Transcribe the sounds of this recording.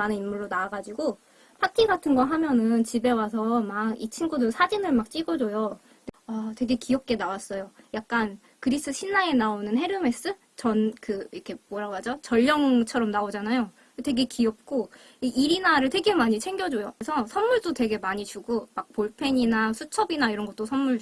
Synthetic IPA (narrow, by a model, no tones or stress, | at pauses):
anɯnimmuɭːonaaɡad͡ʑiɡo | pʰatʰiɡatʰɯnɡʌɦamjʌnɯnt͡ɕibe̞wasʰʌmaɡit͡ɕʰinɡudɯsʰad͡ʑinɯɭmak̚t͡ɕ͈iɡʌd͡ʑojo | neatwe̞ɡe̞kiʌp̚k͈e̞nawas͈ʌjojak̚k͈an | kɯɾis͈ɯɕʰinːae̞naonɯnɦe̞ɾɯme̞s͈ɯ | t͡ɕʌnkɯɾkʰe̞mʌɾaɡwad͡ʑot͡ɕʌʎːʌŋt͡ɕʰʌɾʌmnaod͡ʑanajo | te̞ɡe̞kiʌp̚k͈o | iiɾinaɾɯɭte̞ɡe̞maɲit͡ɕʰe̞ŋɡjʌd͡ʑojokesʰʌsʰʌnmuɭd͈ote̞ɡe̞maɲit͡ɕuɡomak̚poɭpʰe̞ɲinasʰut͡ɕʰʌbinaiɾʌnɡʌt̚t͈osʰʌnmuɭ